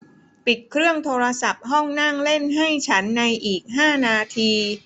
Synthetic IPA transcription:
pi˨˩t̪̚kʰɾɯ˥˩əŋt̪ʰoː˧ɾa˧sa˨˩p̚ɦɔ˥˩ŋna˥˩ŋle˥˩nɦa˥˩jt͡ɕʰa˦˥nːa˧jʔiː˨˩k̚ɦaː˥˩naː˧t̪ʰiː˧

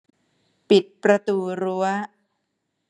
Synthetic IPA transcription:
pi˨˩t̪̚pɾa˧t̪uː˧ɾu˦˥ɐ

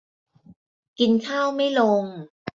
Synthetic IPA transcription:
ki˧nkʰaː˥˩wma˥˩jlo˧ŋ

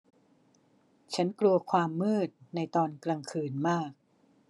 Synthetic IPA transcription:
t͡ɕʰa˦˥nklu˧ɐkʰwaː˧mːɯː˥˩t̪̚na˧jt̪ɔː˧nkɾa˧ŋkʰɯː˧nmaː˥˩k̚

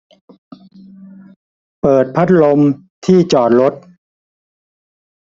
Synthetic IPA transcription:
pɤː˨˩t̪̚pʰa˦˥t̪̚lo˧m | t̪ʰiː˥˩t͡ɕɔː˨˩t̪̚ɾo˦˥t̪̚

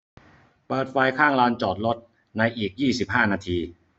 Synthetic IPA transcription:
pɤː˨˩t̪̚fa˧jkʰaː˥˩ŋlaː˧nt͡ɕɔː˨˩t̪̚lo˦˥t̪̚ | na˧jʔiː˨˩k̚jiː˥˩si˨˩p̚ɦaː˥˩naː˧t̪ʰiː˧

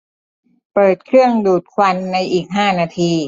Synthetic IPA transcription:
pɤː˨˩t̪̚kʰɾɯ˥˩əŋduː˨˩t̪̚kʰwa˧nːa˧jʔiː˨˩k̚ɦaː˥˩naː˧t̪ʰiː˧

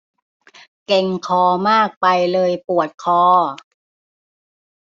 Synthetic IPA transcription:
ke˧ŋkʰɔː˧maː˥˩k̚pa˧jlɤː˧jpu˨˩ət̪̚kʰɔː˧

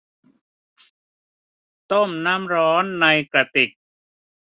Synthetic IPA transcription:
t̪o˥˩mna˦˥mɾɔː˦˥nːa˧jkɾa˧t̪i˨˩k̚

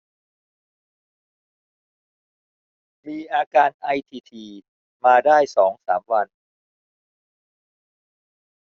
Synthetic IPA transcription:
miː˧ʔaː˧kaː˧nʔa˧jt̪ʰiː˧t̪ʰiː˧ | maː˧daː˥˩jsɔː˩˦ŋsa̰ː˩˦mwa˧n

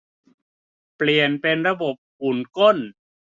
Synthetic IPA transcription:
pli˨˩ənpe˧nɾa˧bo˨˩p̚ʔuː˨˩nko˥˩n

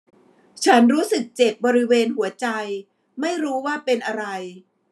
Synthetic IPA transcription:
t͡ɕʰa˦˥nɾuː˦˥sɯ˨˩k̚t͡ɕe˨˩p̚bɔː˧ɾi˦˥weː˧nɦu˨˩˦ɐt͡ɕa˧j | ma˥˩jɾuː˦˥waː˥˩pe˧nʔa˧ɾa˧j

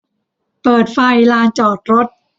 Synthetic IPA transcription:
pɤː˨˩t̪̚fa˨˩jlaː˧nt͡ɕɔː˨˩t̪̚ɾo˦˥t̪̚

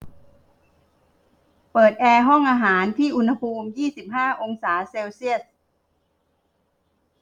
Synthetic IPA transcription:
pɤː˨˩t̪̚ʔɛː˧ɦɔ˥˩ŋʔaː˧ɦaː˩˦nt̪ʰiː˥˩ʔu˧nha˧pʰuː˧mjiː˥˩si˨˩p̚ɦaː˥˩ʔo˧ŋsaː˩˦seː˧wsi˥˩əs̚

